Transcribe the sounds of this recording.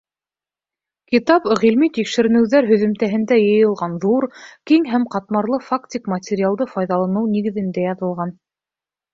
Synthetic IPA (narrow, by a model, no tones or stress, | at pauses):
kit̪ɑpʁilmit̪ikʃɘ̆ɾɘ̆nɘ̆wðæɾɦɵ̆ðɵ̆mt̪æɦɘ̆nd̪æjɤ̆jɤ̆lˠʁɑnðuɾkiŋɦæmqɑt̪̚mɑɾlˠɤfakt̪ʲikmɐt̪ʲeɾʲialˠd̪ɤfɑjðɑlˠɑnɤwniɡɘ̆ðɘ̆nd̪æjɑðɤ̆lˠʁɑn